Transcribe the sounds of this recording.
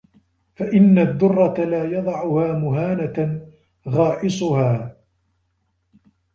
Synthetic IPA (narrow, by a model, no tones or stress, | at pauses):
faʔɪnːaðːʊrˤːɑt̪alaːjɑd̪ˤɑʕʊhaːmʊɦaːnat̪a | ɣɑːʔɪsˤʊhaː